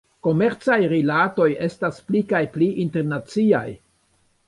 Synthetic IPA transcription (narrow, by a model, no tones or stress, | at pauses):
ko̞me̞ɾt͡sajɾilato̞je̞stasplikajpliʔinte̞ɾnat͡sia̰j